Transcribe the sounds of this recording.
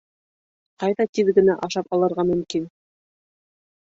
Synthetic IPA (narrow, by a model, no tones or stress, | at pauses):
qɑjðɑt̪iðɡɘ̆næʔɑʃɑpɑlˠɤ̆ɾʁɑmɵ̆mkin